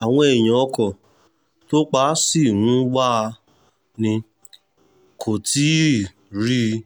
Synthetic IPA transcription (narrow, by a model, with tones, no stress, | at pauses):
a˨w̃ɔ̃˧ɛ˨j̃ã˨ɔ˧kɔ˨ | to˦k͡pa˦si˦˨ɾ̃ũ˨˦wa˦˧ | nĩ˧ | kʰo˨ti˨˦˨ | ɾi˦